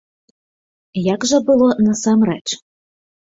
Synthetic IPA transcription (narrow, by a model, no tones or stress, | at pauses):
jaɡʒɛbʊlˠɔnɐsɑmɾɛt͡ʃ